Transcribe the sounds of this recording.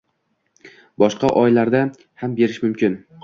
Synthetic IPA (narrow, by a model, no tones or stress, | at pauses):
bɒʃqɑʔɒjlaɾd̪a | hambe̞ɾɪʃmʊmkʲɪn